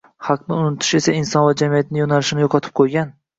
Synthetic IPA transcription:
hɑqnɪʊnɪt̪ʰɪ̥ʃe̞saɪnsɒnvad͡ʒamijat̪̚nɪjonalɪʃɪnɪjoqʰɒt̪ʰɪ̥p̚qʰojɡʲan

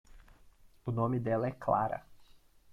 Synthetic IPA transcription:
unomid̪ɛlˠaɛkla̰ɾɐ̰

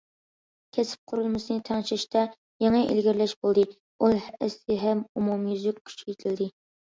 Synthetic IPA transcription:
kʲʰesɪ̥p̚qʰʊɾɨlˠmɨʃɨnɨt̪ʰɑŋʃɪʃt̪ʰɛ | jeŋəʔḛlɡʲiɾlɛʃbolˠd̪ɨ | ulˠhɪsɪɦɛmumumjyzykʲkʲʰːy̥t͡ʃʰjet̪ʰɪld̪ɪ

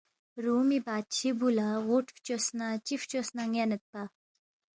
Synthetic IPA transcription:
ɾumibat͡ɕʰibulaʁoʈʰft͡ɕosnat͡ɕift͡ɕosnaŋanət̪̚pa

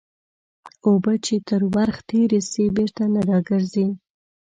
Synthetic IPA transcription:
obət͡ʃet̪əɾwaɾxt̪ʰeɾesebeɾt̪anaɾɑɡəɾzi

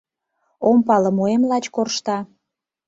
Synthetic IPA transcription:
ompɑlə̆moemlɑt͡ɕkorʃt̪ɑ

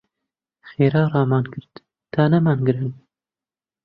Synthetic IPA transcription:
xeːɾɑːrɑːmɑːnkɨɾt̪ | t̪ɑːnɛmɑːnɡɨɾɨn

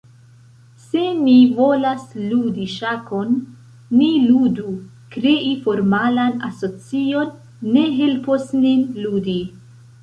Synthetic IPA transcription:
se̞nivo̞lasludiʃako̞nː | iludu | kɾe̞ʔifo̞ɾmalanaso̞t͡sionː | e̞ɦe̞lposninludi

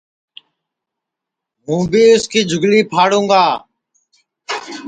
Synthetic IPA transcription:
ɦũːbiːʊskiːd͡ʒʱʊɡliːpʰaːɽũːɡaː

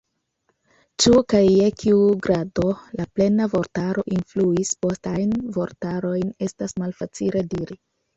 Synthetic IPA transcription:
t͡ʃukajːekʰiuɡɾado̞laple̞navo̞ɾtaɾo̞ʔinfluispo̞stajnvo̞ɾtaɾo̞jne̞stasmalfat͡silediɾi

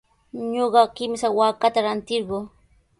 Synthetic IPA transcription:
ɲoɢɑkɪmsawaːkat̪aɾant̪ɪɾɢoː

